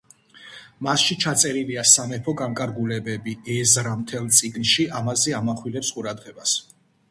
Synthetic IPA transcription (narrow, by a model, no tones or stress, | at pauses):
masʃit͡ʃʰat̪sʼɛɾiliasanɛpʰɔɡaŋkʼaɾɡulɛbɛbiɛzɾamt̪ʰɛlˠt̪sʼiɡnʃiamazɛamaχwilɛpsqʼuɾad̪ʁɛbas